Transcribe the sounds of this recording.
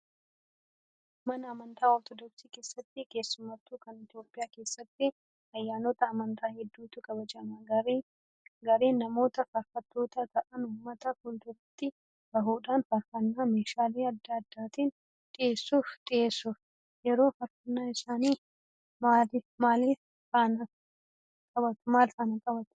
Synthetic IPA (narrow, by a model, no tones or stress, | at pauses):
mɐnɐːmɐnt̪ʰaːɔɾt̪ɔd̪ɔksiːke̞ːsːɐt̪ːɪke̞ːsːʊmɐt̪ːuːkɐnɪt̪ɪjo̞ːpʼːɪjaːke̞ːsːɐt̪ːɪ | ɐjːaːnɔt̪ɐːmɐnt̪ʰaːhɛd̪ːuːt̪ʊkɐbɐd͡ʒɐnɐɾ | ɡɐɾe̞ːnːɐmo̞ːt̪ɐfɐɾfɐt̪ːo̞ːt̪ɐt̪ɐʔɐnʊmːɐt̪ɐkʊnd̪ʊɾɐt̪ːɪ | ɡɐɦuːᶑaːnfɐɾfɐnːaːmeːʃaːle̞ːɐd̪ːaɐd̪ːaːt̪iːn | t̪ʼɪe̞ːsːuːft̪ʼɪeːsːʊf | jɛɾo̞ːfɐɾfɐnːaːɪsaːniː | maːlɪmaːli | taːnɐ | kʼɐbɐt̪maːlt̪ɐnɐkʼɐbɐt̪ʊ̥